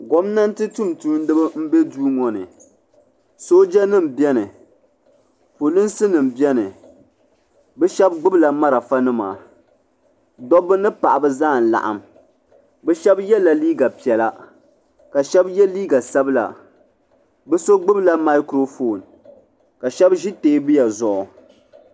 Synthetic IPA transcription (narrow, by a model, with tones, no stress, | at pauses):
ɡɔ˦mna˦n˦tɨ˦tu˦mtu˦n˦dɨ˦bɨ˦m̩˦be˦duː˦ŋɔ˨nɨ̰˨ | soː˦d͡ʒɛ˦nɨ˦˨m˨bi˦ɛ˦nɨ˨ | po˨lɨ˦n˦sɨ˦nɨ˨m̩˨bi˦ɛ˦nɨ˨ | bɛ˦ʃɛ˦b̚ɡ͡bɨ˦bla˨ma˦ɾa˨fa˦nɨ˦ma̰˨ | dɔ˦bɨ˦nɨ˦pa˨ʔa˨bɨ˦zaː˦˨n̩˨la̰˨ʔa̰˨m | bɛ˦ʃɛ˦bjɛ˦la˨liː˦ɡa˨pi˨ɛ˨la˦ | ka˨ʃɛ˦bjɛ˦liː˦ɡa˨sa˦bɨ˦la̰˨ | bɛ˦so˦ɡ͡bɨ˦bla˦ma˦ɪ˦kɾo˦fo˨n | ka˨ʃɛ˦bʒi˦teː˦bɨ˦ja˨zʊ˨ʔɔ˨